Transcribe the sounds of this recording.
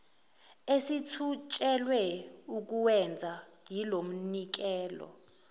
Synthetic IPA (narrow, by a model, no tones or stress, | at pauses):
esitʰut͡ʃʼɛlwɛuk̬uwɛnd͡zʱaŋʱilom̩nik̬ɛːlɔ̰